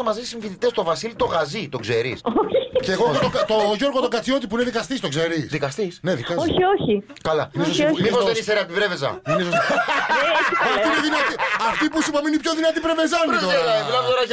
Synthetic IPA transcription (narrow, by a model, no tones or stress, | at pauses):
ɐmɐzissiɱfiθit̪est̪o̞vɐsilit̪o̞ɣɐzit̪o̞ɡze̞ɾḭsoçceːɣoxot̪ot̪oʝo̞ɾɣot̪o̞ɡɐt͡sio̞t̪̬ipuineðikɐst̪ist̪o̞kze̞ɾisðikɐst̪isneðikoçioçi | kɐlɐinesmipozðenikseɾeɐt̪ipɾevezɐ̰ineisost̪i | ɐfiineðinɐt̪iɐft̪ipusipɐmiinipço̞ðinɐt̪ipɾeve̞zɐnit̪oeɾɐvlɐvot̪oɾɐʝ